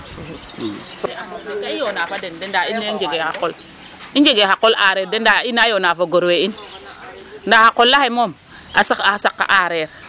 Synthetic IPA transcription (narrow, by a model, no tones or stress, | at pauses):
sameɡaijonafadendendainːeid͡ʒeɡehakol | ind͡ʒeɡehakːolʔa̰ɾeɾdendainajonafaɡoɾwein | ndahakolːahemom | asaasakːa̰ʔaɾeɾ